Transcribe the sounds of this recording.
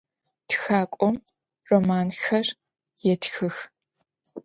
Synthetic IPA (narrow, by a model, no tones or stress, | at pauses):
txaːkʷʼɔm | romaːnxɐr | jɛtʰxɨx